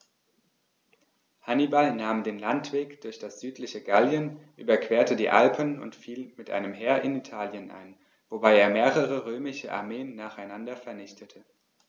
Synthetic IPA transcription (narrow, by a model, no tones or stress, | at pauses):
hanibalnaːmdeːnlantv̥eːkd̥ʊɐçd̥asz̥yːtʰlɪçəɡaljənʔyːbɐkv̥eːɐtədiːʔa̰lpʰənʊ̰ntfiːlmɪtʔa̰ɪnəmɦɛːɐʔɪnitʰaːljənʔa̰ɪn | vobaɪeːɐmeːʁəʁəʁøːmɪʃəʔa̰ɐmeːənːaːχaɪnandɐfɛɐnɪçtʰətʰə